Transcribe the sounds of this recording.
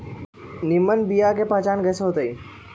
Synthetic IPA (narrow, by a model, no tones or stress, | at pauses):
nimːənbijakepat͡ʃaːnkɛːseɦot̪əi